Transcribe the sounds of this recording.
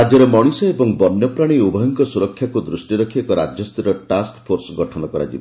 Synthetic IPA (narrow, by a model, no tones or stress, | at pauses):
ɾad͡ʒɔɾemɔɽ̃isɔebɔŋbɔnjɔpɾaɽ̃iubʱɔjɔŋkɔsuɾɔkʰːjakud̪ɾusʈiɾɔkʰiekɔɾad͡ʒjɔst̪iɾɔʈaskpʰoɾsɔɡɔʈʰɔnɔkɔɾa̰d͡ʒibɔ